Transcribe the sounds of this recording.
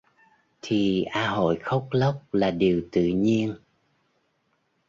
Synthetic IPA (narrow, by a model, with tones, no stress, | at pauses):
t̪ʰi˨˩ʔaː˧ɦo̰˧˨jxə˦˥wk͡p̚lə˦˥wk͡p̚laː˨˩ɗi˨˩əwt̪ɨ̰˧˨ɲi˧ən